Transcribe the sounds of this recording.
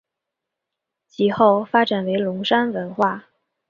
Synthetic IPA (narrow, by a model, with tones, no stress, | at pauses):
t͡ɕʰi˨˧˩xo˥˩ʊfa˥ʈ͡ʂa˨˩nwe˧˥ɪlʊ˧˥ŋʂa˥nwə˧˥nxwa˥˩